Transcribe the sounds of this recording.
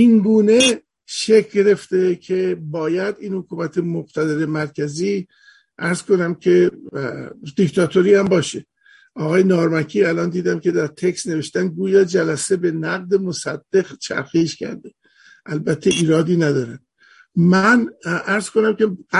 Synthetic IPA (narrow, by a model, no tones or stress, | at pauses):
ʔiŋɡuːne̞ | ʃekʰɡeɾe̞ft̪ekʰe̞bɒːjæd̪iːnhokʰuːmæt̪ʰemoqt̪ʰæd̪eɾe̞mæɾkʰæziː | ʔæɾz̥ko̞næmkʰe̞ | d̪̥ikt̪ʰɒt̪ʰoɾiːhæmbɒːʃe | ʔɒːɣɒːjenɒːɾmækʰiːælɒːnd̪iːd̪æmkʰe̞d̪æɾt̪ʰeksne̞ve̞ʃt̪ænd̪̚ɡuːjɒːd͡ʒælæse̞be̞næɣd̪e̞mosæd̪̥ːe̞ɣt͡ʃʰæ̰ɾxiːʃcʰæ̰ɾd̪e | ʔælbæt̪ʰːe̞ʔiːɾɒːd̪iːnæd̪ɒːɾænd̪̚ | mænʔæɾz̥konæmkʲʰe̥